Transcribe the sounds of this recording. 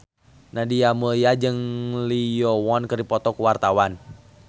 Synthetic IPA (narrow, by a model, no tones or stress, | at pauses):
nadiamuliad͡ʒɨŋlijɔwɔnkɨrdipɔt̪ɔkuwart̪awan